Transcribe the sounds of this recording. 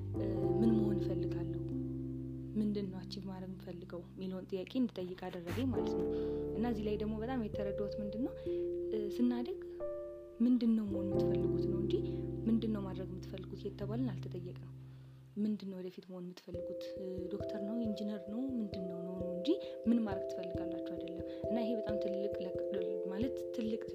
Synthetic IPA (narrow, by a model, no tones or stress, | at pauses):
mɨnməhonjɪfəlːɨɡalːəhuu | mɨnd̪ɨnːəwat͡ʃːɪbəmad̪ɾəɡmɨfəlːɨɡəwmiləhont̪ʼɨjːakʼeɨnd̪it̪ʼəjːɨkʼad̪ərːəɡəmalət̪nəwʔɨnːaəzːilajd̪əɡmo̞bət̪ʼamjɛt̪ʰːəɾəd̪awt̪mɨnd̪ɨnːəw | sɨnːad̪əɡ | mɨnd̪ɨnːəwməhonmːɨt̪ːfəlːɨɡut̪nəwɨɲd͡ʒimɨnd̪ɨnːəwmad̪ɾəɡmːɨt̪ːfəlːɨɡut̪jɛt̪ʰːəβalunalt̪ʰɨt̪ʼəjːɛkʼnəw | mɨnd̪ɨnːəwɔd̪əfit̪məho̞nmːɨt̪fəlːɨɡut̪d̪o̞kt̪ʰəɾnəwind͡ʒinəɾnəwmɨnd̪ɨnːəwnəwnəwɨɲd͡ʒimɨnmaɾəɡt̪ʰɨ̥fəlːɨɡalːat͡ʃːuad̪əlːəm | ʔɨnːaɪɦe̞bət̪ʼamt̪ʰɨlɨkʼmalət̪ːʰɨlːɨkʼ